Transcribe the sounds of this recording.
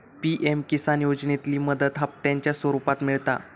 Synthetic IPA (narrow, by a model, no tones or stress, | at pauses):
piʔemkisanjod͡ʑnet̪liːməd̪ət̪ɦap̚t̪jaɲt͡ɕjasʋəɾupat̪miɭt̪a̰